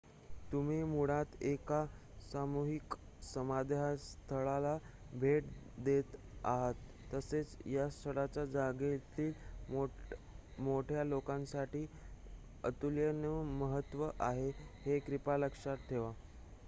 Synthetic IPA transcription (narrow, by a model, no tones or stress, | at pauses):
t̪um̤iːmuɽat̪eka | samuɦik | səmad̪ʱjast̪ʰəɭala | bʱeʈ | d̪et̪ | aɦət̪ːəset͡sjast̪ʰəɽat͡ɕjad͡zaɡet̪iːl | moʈʰjalokãnsaʈiː | ət̪uljənəməɦət̪ʋəʔaɦehekɾipaləkʂat̪t̪ʰːeʋa